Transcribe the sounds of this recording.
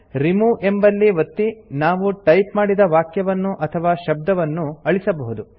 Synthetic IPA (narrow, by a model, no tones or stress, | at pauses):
ɾimuʔe̞mbɐlːiʋɐt̪ːinaːʋuʈɐjpmaːɽid̪ɐʋaːkjɐʋɐnːuʔɐt̪ʰɐʋaːʃɐb̚d̪ɐʋɐnːuɐɭisɐbɐɦud̪u